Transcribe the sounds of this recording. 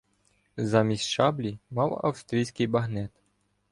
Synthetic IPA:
zɑmʲisʲʃɑblʲimɑwɐ̰wst̪ɾʲijsʲkɪjbɐɦnɛt̪

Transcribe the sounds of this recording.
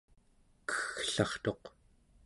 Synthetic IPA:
kə̥xɬɑχt̪o̞q

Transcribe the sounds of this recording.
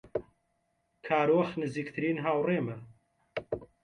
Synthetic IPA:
kʰaːɾoːxnɨziːk̚t̪ʰɨɾiːnɦaːwreːmɐ

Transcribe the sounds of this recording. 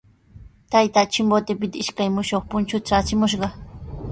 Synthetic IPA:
t̪ajt̪at͡ʃɪmbot̪ɪpɪt̪aɪʃkajmʊʃoχpʊnt͡ʃʊt̪aat͡ʃɪmʊʃ̬ɢɑ

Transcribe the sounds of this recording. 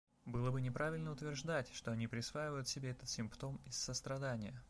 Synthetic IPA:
bɨlˠəbɨnʲɪpɾavʲɪlʲnəʊt̪vʲɪrʐd̪atʲʂt̪oɐnʲipɾʲɪsvajɪvəjʊt̪sʲɪbʲeɛt̪ət̪sʲɪmpt̪o̞mɪsːəst̪ɾɐd̪anʲɪjə

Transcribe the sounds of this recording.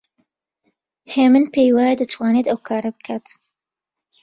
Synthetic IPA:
heːmɨnpʰejwajɛd̪at̪ʰwaːnet̪ɐwkʰaːɾɐbɨkʰaːt̪

